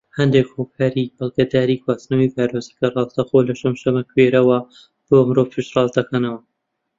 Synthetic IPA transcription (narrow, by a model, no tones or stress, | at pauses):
hɐnd̪eːkhokʰaːɾibɐlˠɡɐd̪aːɾiːkʰwaːsnɐwivaːɾozikɐrɑːlt̪ɐxoːlɐʃɐmʃɐmɐkʰweɾɐwɐ | b̥oːmɾovfɨʃt̪rɑːlˠd̪ɐkanɐwɐ